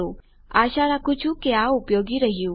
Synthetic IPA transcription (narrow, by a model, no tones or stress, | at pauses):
o | aʃaɾakʊt͡ʃʰũkeaupjoɡiɾəɦijũ